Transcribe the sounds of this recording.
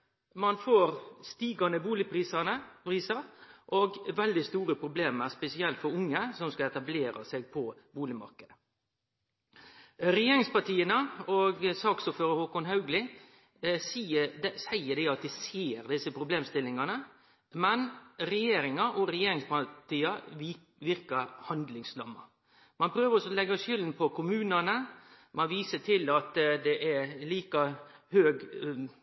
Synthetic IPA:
mɑnfoːɾst̪iːɡɑnəbuːlɪpʰɾiːsənəɾiːsəɾʔoɡʋɛld̪ɪst̪uːɾəpʰɾʊbleːməspɛsɪɛlt̪fɔɾʊŋːəsɔmskɑɛt̪ɑbleːɾɑ̰seɡ̚pʰɔbuːlɪmɑ̰ɾkəd̪ə | ɾɛjeːɾɪŋspɑʈiːənəɔɡsɑːksɔføːɾəhoːkɔŋɦɑʉɡlɪ | siədsæɪəd̪ɛɑt̪dɪseːɾd̪ɪsːəpʰɾʊbleːmst̪ɪlːɪŋɑnə | mɛnɾɛjeːɾɪŋɑʔɔɾɛjeːɾɪŋspɑt̪ʰiːɑ | ʋɪɾkəhɑnd̪lɪŋslɑ̰mːɑ̰ | mɑnpʰɾøːʋəɾɔsɔlɛɡːɑʃʏlnpʰɔkʰʊmʉːnənə | mɑnʋiːsəʈʰɪlɑt̪d̪ɛʔæɾliːkɑhøːɡ

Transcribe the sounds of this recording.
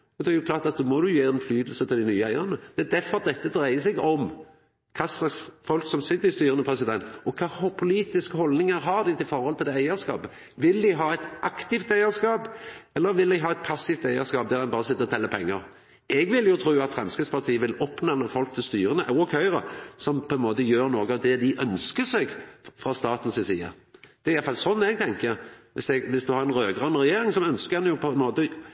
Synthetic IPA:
ɔd̪ɛjʊkʰlɑːɾt̪ɑt̪̚d̪oːmɔd̪ʉjøːɾɛnflyːd̪əl̩sət̪ʰɪld̪ɪnyːəæɪənəd̪̥ɛæd̪æɾfɔɾɑt̪̚d̪ɛt̪ːəd̪ɾæɪəsɛɡɔm | kʰɑslɑsfɔlksɔmsɪt̪ːəɪst̪yːɾənəpʰɾɛsɪd̪ɛnt̪ɔkʰɑːhʊpʰʊliːt̪ɪskəhɔld̪nɪŋəɾɦɑɾd̪ɪt̪ʰɪlfɔɾhɔlt̪ʰɪld̪ɛːæɪəɾskɑ̰ːpə | ʋɪld̪ɪɦɑːɛt̪ʔɑkt̪ɪft̪æɪəɾskɑːpɛlːəɾʋɪld̪æɪɦɑːɛt̪̚pʰɑsːɪft̪æɪəskɑːp̚d̪æɾd̪ɛnbɑːɾəsɪt̪ːəɾɔt̪ʰɛlːəpʰɛ̰ŋːəɾ | ɛɡʋɪljʊt̪ʰɾuːɑt̪fɾɛmskɪspɑʁt̪ʰiːəʋɪlɔpːnɑːnəfɔlk̚t̪ʰɪlst̪yːɾənəʔɑkʰhœʏɾəsɔmpʰɔɛnmoːt̪əjøːɾnoːɡəɑʋd̪ɛd̪ɪʔœnskəsɛɡfʁɑst̪ɑːt̪n̩sɪsiːə̰ | d̪̥ɛæɾjɑt̪fɑlsɔnːɛɡ̚t̪ʰɛŋkəɾʋɪsɛɡʋɪsd̪ʉhɑɾɛnɾøːɡʁɑnɾɛjeːɾɪŋsɔœnskəɛnəjʊpʰɔɛnmoːt̪ə

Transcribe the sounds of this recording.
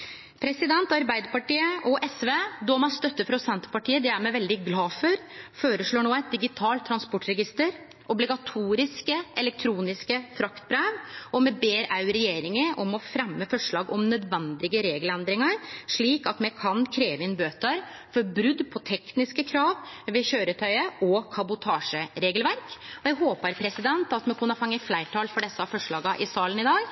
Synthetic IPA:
pʰɾɛsɪd̪ɛnt̪ɑɾbæɪd̪əɾpɑʈiːəʔɔʔɛsʋeːd̪ɔmɑst̪œt̪ːəfɾɔsɛnt̪ə̥pɑʈʰiːəd̪ɛæɾmɛʋɛld̪ɪɡlɑːfɔɾføːɾəʂɭoːɳoːæɪt̪̚d̪ɪɡɪt̪ʰɑːlt̪ʰːɾɑnspɔʈɾɛɡɪst̪əɾ | ʔɔblɪɡɑt̪ʰuːɾɪskəʔɛlɛk̚t̪ʰɾuːnɪskəfɾɑkt̪̚bɾeːʋɔmɛbeːɾɑʉɾɛjeːɾɪŋəʔɔmɔfɾɛmːəfɔʂɭɑːɡɔmnœd̪ʋɛnd̪ɪɡəɾeːɡəlɛnd̪ɾɪŋɑɾʂɭiːkɑt̪mɛkʰɑnkʰɾeːʋəɪnbøːt̪əɾfɔɾbɾʉd̪pʰɔt̪ʰɛknɪskəkʰɾɑːʋʋɪɕøːɾət̪ʰœʏəʔɔkʰɑbʊt̪ʰɑːʂəɾeːɡəlʋæɾkɔjæɡɦoːpəɾpʰɾɛsɪd̪ɛnt̪ɑt̪mɛkʰʉnːəfɑŋːəflæɪʈʰɑːlfɔɖɛsːɑfɔʂɭɑːɡɑʔɪsɑːlənɪd̪ɑːɡ

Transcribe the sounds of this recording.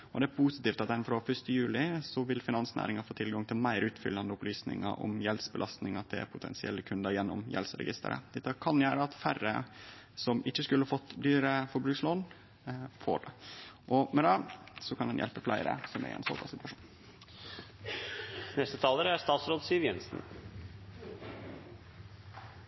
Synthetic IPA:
ɔd̪ɛæɾpʰusɪt̪iːft̪ɑt̪d̪ɛnfɾofœʂt̪əjʉːlɪsɔʋɪlfɪnɑnsnæ̰ːɾɪŋɑfoːt̪ʰɪlɡɑŋt̪ʰɪlmæɪɾʉːt̪fʏ̰lːɑnd̪əʊplyːsnɪ̰ŋɑ̰ʔɔ̰mjɛlsbəlɑst̪nɪŋɑt̪̚d̪ɛæ̰ɾpʰʊt̪ʰɛ̰nsɪɛlːəkʰʉnd̪əɾjɛnːɔmjɛ̰lsɾɛ̰ɡɪst̪ə̰ɾə̰d̪̥ɛt̪ːəkʰɑnjæːɾəɑt̪fæɾə | sɔmɪçːəskʉləhɑfɔt̪ːd̪yːɾəfɔɾbɾʉːɡsloːn | fo̰ːɖɛʔɔmɛd̪ɑsɔkʰɑnd̪ɛnjɛ̰lpəflæɪɾə̰sɔmæ̰ɾʔɛ̰nso̰ːpʰɑ̰sɪt̪ʉɑʂuːn | nɛst̪ət̪ʰɑːləɾæɾst̪ɑːt̪sɾoːd̪siːəʋjɛnsn̩

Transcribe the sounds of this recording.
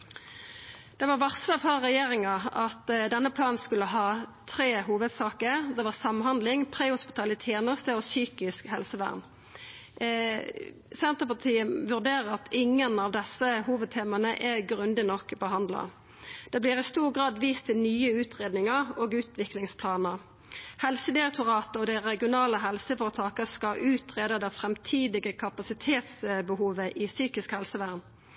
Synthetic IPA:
d̪̥ɛʋɑʁʋɑsʁəfɔʁːɛjeːʁɪŋɑɑt̪d̪ɛnːəpʰlɑːnskʉləɦɑːt̪ʰɾeːɦuːʋəd̪sɑːkəʁd̪ɛʋɑʁsɑmhɑnd̪lɪŋpʰʁeːhʊspɪt̪ʰɑːlət̪ʰjeːnəʁst̪əosyːkɪskhɛlsəʋæ̰ːʁn | sɛnt̪əpɑʁt̪ʰiːəʋʉʁd̪eːʁəʁɑt̪ʰɪŋːənɑʋd̪ɛsəhuːʋəd̪̚t̪ʰeːmɑnəʔɛɡʁʉnd̪ɪnɔkːbəɦhɑnd̪lɑ̰ | d̪̥ɛbliːʁɪst̪uːʁɡʁɑːd̪ʋiːst̪ʰɪnyːəʉːt̪ʁeːd̪nɪŋəoːɡʉːt̪ʋɪklɪŋspʰlɑːnəʁ | hɛlsəd̪ɪʁɛk̚t̪ʊʁɑːt̪əɔd̪ɛʁɛɡɪʊnɑːləɦɛlsəfɔːʁət̪ʰɑːkəskɑʔʉːt̪ʁeːd̪ɑd̪ɛfʁɛmt̪ʰiːd̪ɪɡəkʰɑpɑsɪt̪ʰeːt̪sbəhuːʋəʔɪsyːkɪskhɛlsəʋæːʁn

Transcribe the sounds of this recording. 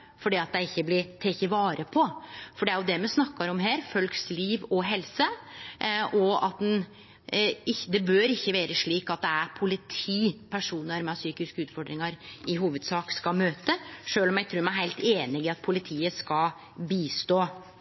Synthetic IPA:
fɔɖiːɑt̪̚d̪æɪɪçːəblɪt̪ʰeçəʋɑːɾəpʰɔfɔɖɛæɾjʊd̪ɛmɛsnɑkːɑɾɔmɦeːɾfœlksliːʋɔɦɛlsə | ʔɔɑt̪̚d̪ɛn | ɪçd̪ɛbøːɾɪçːəʋeːɾəʂɭiːkɑt̪̚d̪ɛæɾpʰʊlɪt̪ʰiːpʰæʂuːnəɾmɑsyːkɪskəʉːt̪fɔɖɾɪŋɑɾɪɦuːʋəd̪sɑːkskɑmøːt̪əʂøːlɔmjæɪt̪ʰɾʉːɾmæɦæɪlt̪eːnɪɡɪɑt̪̚pʰʊlɪt̪ʰiːəskɑl | biːst̪oː

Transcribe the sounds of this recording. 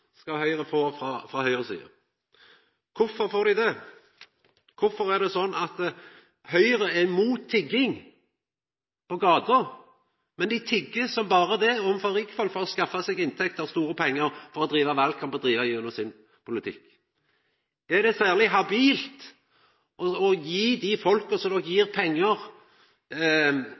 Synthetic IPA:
skɑhœʏʁəfoːfɾɑfʁɑhœʏʁəsḭːə̰ | kʰʊfɔɾfoːd̪ɪd̪ɛ | kʰʊfɔɾæʁd̪ɛsɔnːʔɑt̪ | hœʏʁəɛmuːt̪ʰːɪɡːɪŋ | pɔɡɑːd̪əɾ | mɛnd̪ɪt̪ʰɪɡːəsɔmbɑːɾəd̪ɛɔmfɔɾɪkfɔlfɔɾɔskɑfːɑsɛɡɪnt̪ʰɛk̚t̪ɔst̪uːɾəpʰɛŋːəɾfɔɾɔd̪ɾiːʋɑʋɑlkʰɑmbəd̪ɾiːʋɑjʉnɔsɪn | pʰʊlɪt̪ʰɪ̰kː | ɛd̪ɛsæːʁlɪɦɑbiːlt̪ | ʔɔɔjiːd̪ɪfɔlkəsɔmd̪ɔkjiːʁpʰɛŋːəʁ

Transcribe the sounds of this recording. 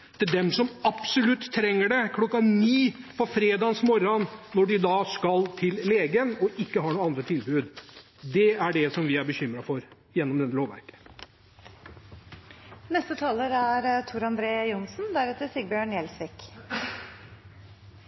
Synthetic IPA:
t̪ʰɪd̪ɛmsɔmɑpsɔlʉt̪ʰːɾɛŋːəɖɛkʰlɔkːɑniːfɔɾfɾeːd̪ɑːnsmɔɾɑnnːɔɖɪd̪ɑːskɑlt̪ʰɪlleːɡənɔʔɪkːəɦɑɳuːəɑnd̪ɾət̪ʰɪlbʉːd̪ | d̪ɛæɖɛsɔmʋɪæɾbəçʏmɾɑfɔɾ | jɛnːɔmd̪ɛt̪ːəloːʋæ̰ɾkə̥ | nɛst̪ət̪ʰɑːləɾæɾt̪ʰuɾɑnd̪ɾeːjʊnsnd̪æɾɛt̪ːəɾsɪɡbjøːɳjɛlsʋɪk

